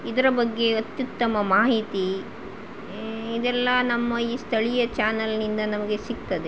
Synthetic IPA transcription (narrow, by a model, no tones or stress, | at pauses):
id̪ɐɾɐbɐɡːe̞ɐt̪jut̪ːɐmɐmaːɦit̪i | id̪ɛlːɐnɐmːɐiːst̪ʰɐɭijɐt͡ʃaːnɐlnind̪ɐnɐmɐɡe̞sik̚t̪ɐd̪e